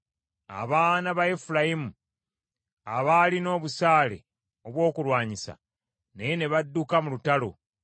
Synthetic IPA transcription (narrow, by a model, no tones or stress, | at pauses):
a̰βaːnaβaefulajimu | a̰βalino̞ːβusaːle̞̰ | o̞βwo̞ːkulwaːɲisa̰ | nejene̞βadːukamulutalo̞̰